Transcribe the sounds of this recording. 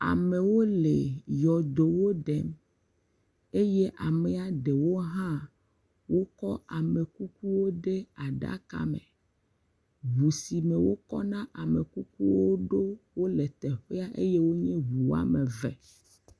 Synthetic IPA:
a̰˨me˨wo˦le˨jɔ˨d̪o˨wo˦ɖɛ˦m | e˦je˦ʔa˨mɛ˨a˨ɖe˨wo˦ɦã˦ | wo˦kɔ˦ʔa˨me˨ku˦ku˦wo˦ɖe˦a˨ɖa̰˦ka̰˦mḛ̃˨ | βu˨si˨mɛẽ˨wo˦kɔ̰˦nã˦ʔa˨me˨ku˦ku˦wo˦ɖo˦wo˦le˨t̪ɛ˨ɸe˦a˦ʔe˦je˦wo˦ɲɛ̃˦βu˨wa̰˦mẽ˨vɛ̰˨

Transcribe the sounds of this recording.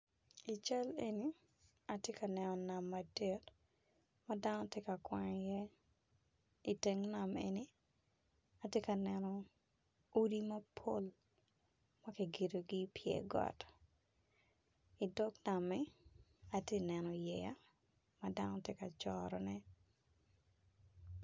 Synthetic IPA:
i˨t͡ʃa˦le˨ni˦ | a˨tje˦ka˨nɛ˨nɔ˨na˨mːade˨t | mada˦nɔ˦tje˦ka˨kwaɲjɛ˦ | i˨teŋna˨mḛ˨ni˦ | a˨tje˦ka˨nɛ˨nɔ˨ | o˦di˦mɐpʰo˦l | mɐ˦ke˨ɡe˨do˨ɡipjɛ̰˨ɡɔ̰˨t | i˨dɔ˦kna˨mɛ | a˨tje˦nɛ˨nɔ˨jɛ˨ja˦ | madanɔtje˦ka˨t͡ʃɔɾɔ̰nɛ˦

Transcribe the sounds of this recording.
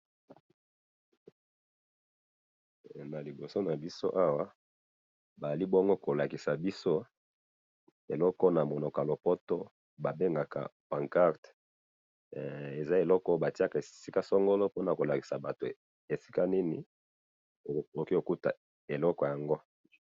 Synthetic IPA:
na˨li˨bo˨so˦na˨bi˦so˦ʔa˦wa˦ | ba˨a˨li˦bo˦ŋɡo˦ko˨la˨ki˨sa˨bi˦so˦ | e˨lɔ˦kɔ˦na˨mo˨no˨ka˨lo˨pɔ˦to˦ | ba˨be˦ŋɡa˨ka̰˨pã˨ŋka˦ʁt | e˨za˦e˨lɔ˦kɔ˦ba˨ti˦a˦ka˨e˨si˦ka˦sɔ˦ŋɡo˦lo˦po˦na˨ko˨la˨ki̥˨sa˨ba˨to˨ | e˨si̥˦ka˦ni˦ni˨ | o˨ki˦o˨ku˦ta̰˨ | e˨lɔ˦kɔ˨ja˨ŋɡo˦

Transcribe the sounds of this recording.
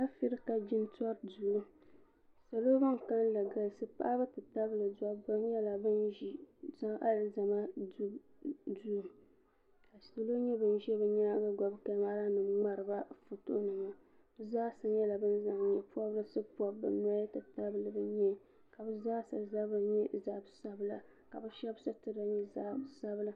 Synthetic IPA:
a˦fi˦ɾɨ˦ka˨d͡ʒɪ˦n˦tɔ˦ɾdu˨lu˦ | sa˨lo˦ba˦ŋ˨ka˦nla˨ɡa˨lsɨ˦pa̰˦bɨ˦tɨ˨ta˦bɨ˦˨lɨ˨da˦ba˦n˦jɛ˦la˨bɨ˦nʒi˨za˦ŋʔa˦lza˨ma˦ | du˦˨ | ka˨si˨lo˦ɲɛ˦bɨ˦n˦ʒɛ˦bɨ˨ɲa˦ɡa˦ɡɔ˨bka˨˦ma˦la˦nɨ˨mŋ͡ma˦ɾɨ˨ba˦fo˨to̰˦nɨ˨ŋa˦ | zaː˦sa˦ɲɛ˦la˨bɨ˦n˦za˨ŋɲɛ˨pu˦ɔ˦bɨ˦sɨ˦pu˦ɔ˦bbɨ̰˨na˦jtɨ˨ta˦bɨ˨lɨ˦bɨ˦ɲɛ˦ | ka˨bɨ˦zaː˦sa̰˨za˦bɨ˨ɲɛ˦za˦˨bsa˦bɨ˦la˦ | ka̰˨bɨ˦ʃɛ˦bsa˦tɨ˦da˨ɲɛ˦za˦bsa˦bɨ˦la˦

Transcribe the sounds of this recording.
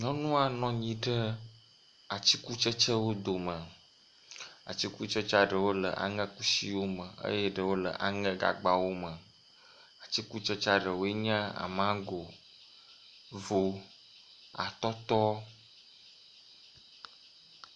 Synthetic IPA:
ɲɔ̃˦nũ˦a˨nɔ̃˦ɲĩ˨ɖə˦ | a˨t͡ɕi˦ku˦t͡ʃə˦t͡ʃə˦wo˦d̪o˨mə˨ | a̰˨t͡ɕi˦ku˦t͡ʃə˦t͡ʃa˦ɖə˨wo˦lə̰˨ʔa̰˨ŋə̃˦ku˦si˦wo˦mə˨ə̰˦je˦ɖə˨wo˦lə˨ʔa˨ŋə̃˦ɡa̰˨ɡ͡ba˨wo˦mə̃˨ | a˨t͡ɕi˦ku˦t͡ʃə˦t͡ʃa˦ɖə˨wo˦e˦ɲã˦a̰˨mã˦ɡo˨ | vo˨ | a̰˨t̪ɔ˦t̪ɔ˦

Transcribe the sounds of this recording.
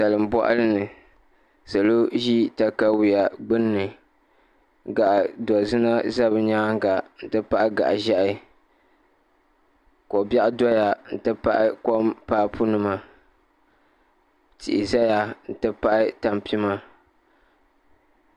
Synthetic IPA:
sa˨lɨ˨m˨bɔ̰˦ʔa̰˦lɨ˦nɨ˨ | sa˨lo˦ʒi˦ta˦ka˦wi˨ja˨ɡ͡bɨ˦nːɨ˨ | ɡa˨ʔdɔ˨zɨ˦na˦za˦bɨ˦ɲa˦ŋ˦ɡa˨n̩˦tɨ˦pa˦ʔɪ˦ɡa̰˨ʔʒa˦ʔɪ˦ | kɔ˨ba˦ʔɪ˦dɔ˦ja˨n̩˨tɨ˦pa˦ʔɪ˦ko˦mpa˦ʔpu˦nɨ˨ma˦ | tḭ˨ʔḭ˨za˦ja˨n̩˨tɨ˦pa˦ʔɪ˦ta˨mpi˦ma˦

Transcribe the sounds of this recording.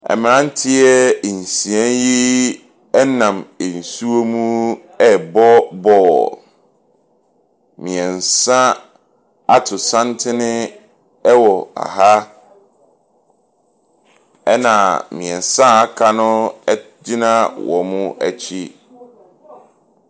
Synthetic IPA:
ɛ̰˨m˨ɾã˦n̩˦tʰɪ˦ɛ˦˨n̩˨sĩ˨ɛ̃˦nji˦ | ɛ˦nã˨me˨n̩˨su˦o˦mũ˦ | ɛ˦bɔ˦bɔː˦ | mĩ˨ɛ˨n˨sã˦ | a˦tʰʊ˨sã˦ntʰɪ˦nɪ̃˦ | ɛ˦wɔ˨a̰˨ɦa˦ | ɛ˦nã˨mĩ˨ɛ˨n˨sã˦a˦kʰa˦nʊ̃˦ɛ˦di˦nã˦wɔ̰˨mʊ̃˦æ̰˦˨t͡ɕʰi˦

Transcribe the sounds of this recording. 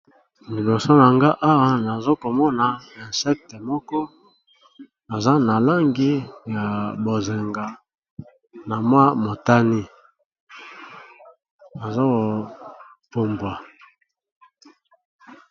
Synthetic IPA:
mi˨bɔ˨so˦na˨ŋɡa˦ʔa˦wa˦na˨zo˦ko˨mɔ˦na˨ɛ˨nsɛ˦k̚te˨mɔ˦kɔ˦ | na˨za˦na˨la˦ŋɡi˦ja˨bo˨ze˨ŋɡa˨ | na˨mwa˦mo˨ta˦ni˦ | na˨zo˦o˨ | po˨mbwa˨

